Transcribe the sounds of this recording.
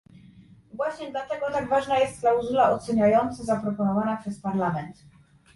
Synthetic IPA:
vwaɕɲɛd̪lat̪ɛɡɔt̪aɡvaʐnajɛst̪̚klawzulaɔt̪sɛɲajɔnt̪sɛzapɾɔpɔnɔvanapʂɛspaɾlamɛnt̪

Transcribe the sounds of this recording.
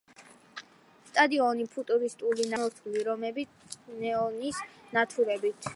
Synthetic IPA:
st̪ʼad̪iɔnipʰut̪ʼuɾist̪ʼulinamɔɾt̪ʰuliɾɔmɛbi | nɛɔnisnat̪ʰuɾɛbit̪ʰ

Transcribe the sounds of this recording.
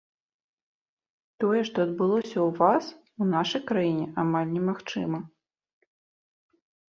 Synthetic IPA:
t̪ɔjɛʂt̪ɔɐd̪̚bɨlˠɔsʲɐwvas | unaʂɐjkɾajinʲɛʔamalʲnʲɛmaxt͡ʂɨ̰mɐ

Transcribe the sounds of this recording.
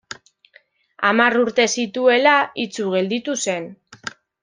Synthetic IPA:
amaruɾt̪e̞sit̪ue̞lait͡suɣ̞e̞ld̪it̪use̞n

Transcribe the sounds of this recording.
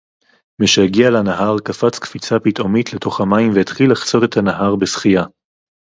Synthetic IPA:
miʃehaɡialanaɦaʁkafat͡skfit͡sapitʔo̞mitle̞to̞χhamaimveet̪χilːaχt͡so̞t̪e̞t̪hanaɦaʁbesχija

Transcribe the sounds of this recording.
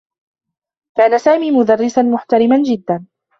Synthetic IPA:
kaːnasaːmiːmʊd̪arːɪsanmʊħt̪aɾɪmand͡ʒɪd̪ːan

